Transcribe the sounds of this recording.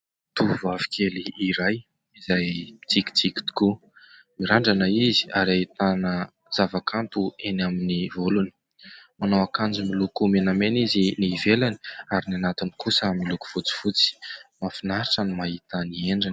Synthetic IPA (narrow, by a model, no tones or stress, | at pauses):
t̪uvavi̥kʰʲeliiɾaj | izaji̥t͡sikʲi̥t͡siki̥d̪i̥ku | miɾaɳɖ͡ʐanaizi̥aɾait̪anə | z̥avakʰant̪uenaminivoluni̥ | manawakand͡ʒumilukumenameniziniːvelani̥aɾinanat̪inikusəmiluku̥v̥ut͡si̥fut͡si̥mafinaɾiʈ͡ʂənimaɦit̪ənieɳɖ͡ʐin